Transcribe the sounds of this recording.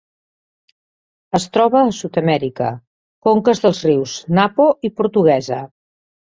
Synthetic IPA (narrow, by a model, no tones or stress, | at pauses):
əst̪ɾɔβəːsut̪əmɛɾikə̰ | koŋkəzðəlˠzriwznapoipuɾt̪uɣ̞ɛzə